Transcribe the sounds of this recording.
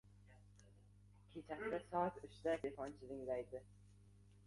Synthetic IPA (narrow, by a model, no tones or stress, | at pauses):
kʲʰet͡ʃʰaklɪsɒt̪ʊʃd̪alʲefɒnt͡ʃʰɪzɪŋlajd̪ɪ